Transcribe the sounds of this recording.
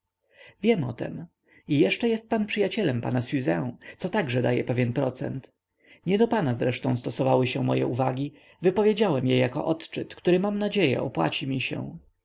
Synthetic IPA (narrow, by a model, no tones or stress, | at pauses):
vʲjɛmɔ̰t̪ɛ̰m | ijɛʂt͡ʂɛjɛst̪̚panpʂɘjat͡ɕɛlɛmpa̰nasɥuzɛw̃t̪sɔt̪aɡʐɛd̪a̰jɛ̰pɛvʲjɛnpɾɔt̪sɛ̰nt̪ | ɲɛd̪ɔpanazɾɛʂt̪ɔ̃w̃st̪ɔsɔvawɘɕɛ̃mɔjɛ̰uvaɡʲi | vɘpɔvʲjed͡ʑawɛmjɛjakɔ̰ʔɔt̪t͡ʂɘt̪kt̪uɾɘmamnad͡ʑejɛ̰ɔpwa̰t͡ɕimʲiɕɛ̰̃